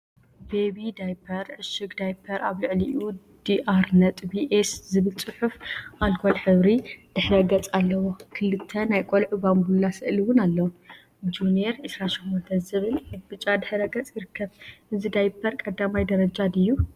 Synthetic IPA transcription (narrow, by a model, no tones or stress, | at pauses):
bebid̪ajpʰɐɾʕɨʃɨɡd̪ajpʰɐɾaβlɨʕliʔʔu | d̪̥iʔaɾnɐt̪ʼbiʔeszɨβɨlt͡sʼɨħufʔalkʰolħɨβɾid̪̥ɨħɾɐɡɐt͡sʼalːɐwokʰɨlɨt̪ʰːɐnajkʼolʕubambulasɨʔliwʊnalːɐwu | d͡ʒuneɾʕɨsɾaʃimːɔnt̪ʰɐnzɨβɨlɨbɨt͡ʃʼad̪ɨħɨɾɐɡɐt͡sʼjiɾɨkʰːɐβʔɨzid̪ajpʰːɐɾkʼɐd̪ːamajd̪ɐɾɐd͡ʒad̪ɨjːu